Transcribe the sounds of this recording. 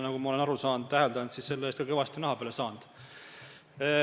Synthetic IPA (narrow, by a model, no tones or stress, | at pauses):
nɑɡumɑo̞le̞nɑɾusɑːnd̪̥̚t̪æɦeld̪ɑnd̪sisse̞lːeeːst̪kɑke̞vɑst̪inɑhɑpeːlesɑːnd̪̥